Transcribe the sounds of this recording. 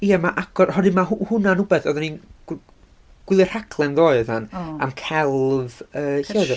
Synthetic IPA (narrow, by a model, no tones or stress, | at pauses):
iamaʔaɡɔrhɔdɨmahhʊnanʊbɛθɔðanin | ɡ̥wɪlˠɨr̥hakʰlˠɛnðoːɨðana̰mkʰɛlˠvəːɬeð